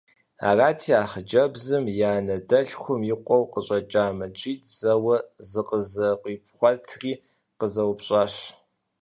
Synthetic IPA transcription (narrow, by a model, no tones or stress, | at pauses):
a̰ːraːtʰiːaːχəd͡ʒɐbzɨmjaːnɐdɐɬxʷʊmjɪqʷɔwqəɕʼɐt͡ʃʼaːmɐt͡ʃʼiːtʰz̥ɐwɐzɨqəzɐqʷʼiːp̚ʰχʷɔtʰriː | qəzɐwpɕʼaːɕ